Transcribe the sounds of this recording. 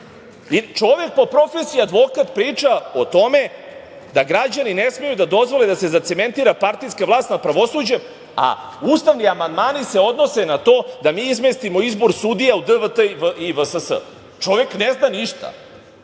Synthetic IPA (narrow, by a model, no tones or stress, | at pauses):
it͡ʃo̞ʋe̞k̚po̞pɾo̞fesiiad̪ʋo̞kat̪pɾiːt͡ʂaot̪o̞me̞ | d̪aɡɾad͡ʑaninesmejud̪ad̪o̞zʋo̞led̪ase̞zat̪se̞me̞nt̪iːɾapaɾt̪ijskaʋlˠaːst̪nad̪̚pɾaʋo̞sud͡ʑe̞m | a̰ | uːst̪aʋniamand̪maːnise̞o̞d̪no̞senat̪oːd̪amiːizmest̪imo̞izbo̞ɾsud̪ijaud̪əʋət̪əiʋəʔiʋəsəsə̰ | t͡ʃo̞ʋekneznaniʃt̪a̰